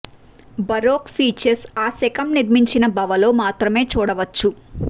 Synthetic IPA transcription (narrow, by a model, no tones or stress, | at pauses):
bɐɾoːkfʰiːt͡ʃɐɾsaːsɛkɐmniɾmiɲt͡ʃinɐbɐʋɐlo̞ːmaːt̪ɾɐme̞ːt͡ʃuːɽɐʋɐt͡ʃːu